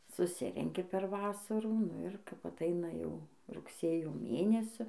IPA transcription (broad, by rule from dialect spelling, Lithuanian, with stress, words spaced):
sʊˈsʲɪrʲɛŋʲkʲɪ pʲɛr ˈʋɑːsɐruː nʊ ɪr kɐp ɐˈtɐɪnɐ jɛʊ rʊkˈsʲeːjoː ˈmʲeːnʲɛsʲʊ